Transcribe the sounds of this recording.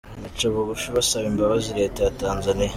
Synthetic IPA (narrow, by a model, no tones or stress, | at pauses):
nit͡ʃaβuɡuʃiβasaβimbaβaziɾe̞ːtajataːnzane